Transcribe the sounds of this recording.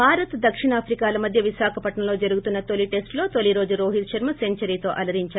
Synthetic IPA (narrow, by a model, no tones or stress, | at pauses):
baːɾɐt̪d̪ɐkʂiɳaːpʰɾikaːlɐmɐd̪ʱjɐʋiʃaːkʰɐpɐʈɳɐmlo̞ːd͡ʒɐɾuɡut̪unːɐt̪oliʈe̞sʈlo̞ːt̪oliɾo̞ːd͡ʒuɾoːɦit̪ʃɐɾmɐse̞ɲt͡ʃɐɾiːt̪o̞ːʔɐlɐɾiɲt͡ʃaː